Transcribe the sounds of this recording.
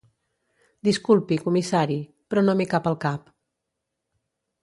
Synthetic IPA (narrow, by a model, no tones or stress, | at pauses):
d̪iskulˠpikumisaɾi | pɾɔnomikapəlˠkap